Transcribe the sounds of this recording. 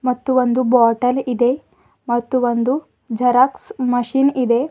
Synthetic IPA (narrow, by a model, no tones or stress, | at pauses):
mɐt̪ːuʋond̪ubaːʈɐlid̪e | mɐt̪ːuʋond̪u | d͡ʒʱɐɾɐksmɐʃinid̪e